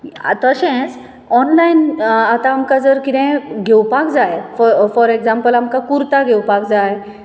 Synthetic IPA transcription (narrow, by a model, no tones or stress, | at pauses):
t̪əɕɛ̃t͡s | ɔnlainat̪ãːmkad͡zəɾkit̪ɛ̃ɡʱewpakd͡zajffɔɾeɡd͡zampəlamkakuɾt̪aɡʱewpak̚d͡zaj